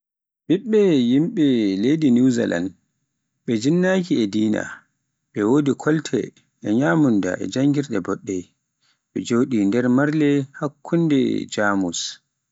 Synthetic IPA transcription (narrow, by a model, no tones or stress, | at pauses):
ɓiɓːɛjimɓɛlejdiniwza̰lʔa̰n | ɓɛd͡ʒinːakiɛdiːna̰ | ɓɛwoːdikʰɔltʰɛ̰ | ʔɛɲaːmunda̰ʔɛ̰d͡ʒaŋɡiɾɗɛbɔɗːɛ | ɓɛd͡ʒoːɗindɛɾmaɾlɛhakʰːundɛ̰d͡ʒaːmus